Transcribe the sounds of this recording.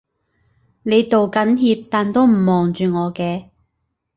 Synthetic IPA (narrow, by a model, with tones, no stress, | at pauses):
ne˨˧jt̪o˨wkɐ˨˥nɦiː˧p̚t̪aː˨nt̪o˥wm̩˨˩mɔː˨ŋt͡ʃyː˨ŋɔː˨˧kɛː˧